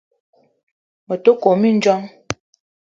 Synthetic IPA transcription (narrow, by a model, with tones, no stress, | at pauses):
mə˨to˦ko˨mi˦n̩˦d͡ʒɔ˦ŋ